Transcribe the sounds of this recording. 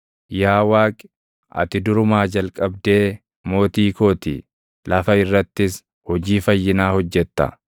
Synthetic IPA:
jaːwaːkʼɪ̥ | ʔɐ̰t̪ɪd̪ʊɾʊmaːd͡ʒɐlkʼɐbd̪e̞ː | mo̞ːt̪iːko̞ːt̪ḭ | lɐfɐɪrːɐt̪ːɪs | hɔd͡ʒiːfɐjːɪnaːhɔd͡ʒːɛt̪ːɐ̰

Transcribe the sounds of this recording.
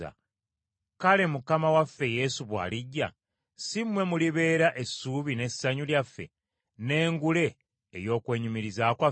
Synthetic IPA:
a̰ | kale̞mukamawafːe̞je̞ːsuβwa̰ːliɟːa̰ | simwe̞muliβe̞ːɾaʔe̞suβine̞saɲuljafːe̞̰ | ne̞ːŋɡule̞ː | jo̞ːkwe̞ːɲumiɾizaːkwa

